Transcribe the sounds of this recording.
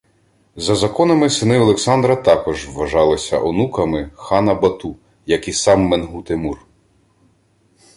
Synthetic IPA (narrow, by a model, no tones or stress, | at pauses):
zɐzɐkɔnɐmɪsɪnɪɔlˠeksɑnd̪ɾɐt̪ɑkɔʒʋːɐʒɑlˠɪsʲɐ̰ʔɔnukɐmɪxɑnɐbɐt̪u | jɐkisɑmːenɦut̪emur